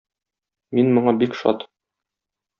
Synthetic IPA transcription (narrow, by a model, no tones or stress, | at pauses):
minmŏɴɑbikʃɒ̰t̪